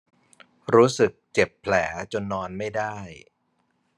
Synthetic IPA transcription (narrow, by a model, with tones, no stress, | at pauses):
ɾuː˦˥sɯ˨˩k̚t͡ɕe˨˩pʰːlɛː˩˦t͡ɕo˧nːɔː˧nma˥˩jda˥˩j